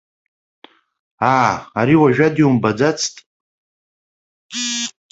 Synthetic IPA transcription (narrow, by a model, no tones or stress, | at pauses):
aːaɾiwaʒᶣadiumbad͡zat͡sʰtʼ